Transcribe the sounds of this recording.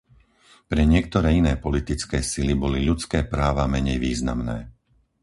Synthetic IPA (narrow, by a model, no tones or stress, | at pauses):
pɾɛɲɪɛk̚t̪ɔɾɛːinɛːpɔlit̪it͡skɛːsilibɔliʎut͡skɛːpɾaːʋamɛɲɛjʋiːzna̰mnɛ̰ː